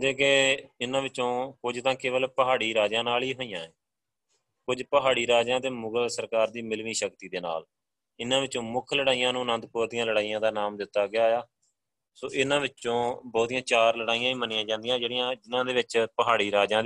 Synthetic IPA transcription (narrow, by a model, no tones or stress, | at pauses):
d̪eːkeɪnãːʋɪt͡ʃːõːkʊd͡ʒt̪ãːkɪʋəlpəɦaːɽiːɾaːd͡ʒãːnaːliːɦoːijãːɛː | kʊd͡ʒpəɦaːɽiːɾaːd͡ʒãːt̪eːmʊɡəlsəɾkaːɾd̪iːmɪlʋiːʃəkt̪iːd̪eːna̰ːl | ɪnãːʋɪt͡ʃːõːmʊkʰləɽaːijãːnũːnə̃nd̪poːt̪ijãːləɽaːijãːd̪aːnaːmd̪ɪt̪ːaːɡɪaːjaː | soːʔɪnãːʋɪt͡ʃːõːbɔːt̪ijãːt͡ʃaːɾləɽaːijãːĩːmənɪãːd͡ʒãːnd̪ijãːd͡ʒeːɽijãːd͡ʒɪnãːd̪eːʋɪt͡ʃpəɦaːɽiːɾaːd͡ʒãː